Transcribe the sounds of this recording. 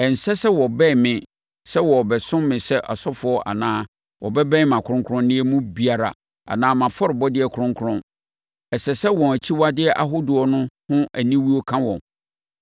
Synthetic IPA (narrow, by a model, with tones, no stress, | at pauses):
ɛ˨n̩˨sɛ˦sɛ˦wɔ˨bɛ̃˦˨mɪ̃˨ | sɛ˦wɔ˨bɛ˨sʊ̃˦mmːɪ̃˨sɛ˦ʔa˨sɔ˦fʊ˨˦ɔ˦ʔa̰˨nãː˦ | wɔ̰˨bɛ˦bɛ̃˦mã˨kʰʊ˨ɾʊ̃˦ŋkʰʊ˦ɾʊ̃˦nnɪ̃˦ɛ˦mũ˦bi˦a˨ɾa̰˨ | a̰˨nãː˦mã˨fɔ˦ɾɪ˨bɔ˦dɪ˦ɛ˨kʰʊ˨ɾʊ̃˦ŋkʰʊ˦ɾʊ̃˦n | ɛ˨sɛ˨sɛ˦wɔ̃˨æ˨t͡ɕʰi˦wa˦dɪ˦ɛ˦˨ʔa̰˨ɦo˦dʊ˨ɔ˨˦nʊ̃˦hʊ̃˦ʔæ˨nĩ˦wi˦ɔ˦kʰã˦wɔ̃˨m